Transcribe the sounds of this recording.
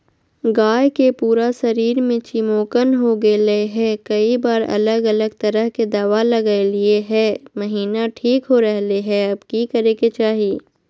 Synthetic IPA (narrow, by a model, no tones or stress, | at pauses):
ɡaːjkepuːɾasɐɾiːɾmẽt͡ʃimoːkənɦoɡelɐeɦɛ̃kɐibaːɾɐ̰ləɡɐləɡ̚t̪ɐɾəɦked̪aːʋalɐɡaelieɦɛ̃ːmɐɦiːnaʈʰiːkɦoɾɐɦleɦɛ̃ɐbkikɐɾeket͡ʃaːɦiː